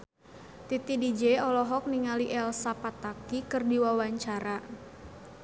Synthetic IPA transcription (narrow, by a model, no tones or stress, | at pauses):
t̪it̪idid͡ʒeɔlɔɦɔk̚niŋaliʔɛlsapat̪akikɨrdiwawaɲt͡ʃaɾa